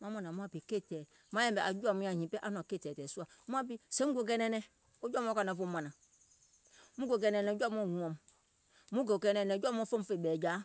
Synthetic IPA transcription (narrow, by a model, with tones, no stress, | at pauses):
ma˦ma˦na˨mu˦a˦˨pi˨ke˦tɛ˨˦ | ma˦jɛ˦m˨bɛ˨ʔa̰˨d͡ʒu˦a˦˨mũ˦a˨hĩ˨pɛ˦ʔa˦nɔ˨ke˦˨tɛ˨tɛ˨su˦a˨˦mu˦a˦p̬i˦se˦mu˦ɡo˨ɡɛ˦nɛ˦nɛ˦ | o˦d͡ʒɔ˦mɔ˦ka˨na˨fo˦ma˨na˨ | mu˦ɡo˨ɡɛ˨nɛ˨nɛ˨˦d͡ʒɔ˦mo˦˨u˨ɔ˨m | mu˦ɡo˨kɛ˦nɛ˨nɛ˨d͡ʒɔ˦m˦ɔ˦fo˦m˦fe˨bɛ˨d͡ʒa˦